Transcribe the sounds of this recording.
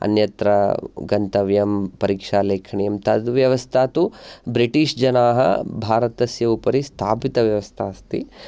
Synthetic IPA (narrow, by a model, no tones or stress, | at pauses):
ɐ̰njɐt̪ɾɐ̰ɡɐnt̪ɐʋjɐmpɐɾiːkʂaːleːkʰɐɳijɐmt̪ɐd̪ʋjɐʋɐst̪ʰaːt̪ubɾiʈiːʂd͡ʒɐnaːɦɐ̰bʱaːɾɐt̪ɐsjɐupɐɾist̪ʰaːpit̪ɐʋjɐʋɐst̪ʰaːst̪ḭ